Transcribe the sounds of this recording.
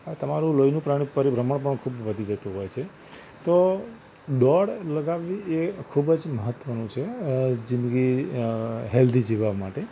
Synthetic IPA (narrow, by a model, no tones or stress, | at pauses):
ɦt̪əmaɾũlojnũpɾaɽ̃ĩpəɾibɾəməɳp̬əɳkʰubʋəd̪ʱid͡ʒət̪ũɦɔjt͡ʃʰe | t̪o | ɖɔɽləɡaʋːiekʰubd͡ʒməɦət̪ʋənũt͡ʃʰed͡ʒɪ̃nd̪ɡi | ɦɛld̪ʱid͡ʒiʋaʋmaʈe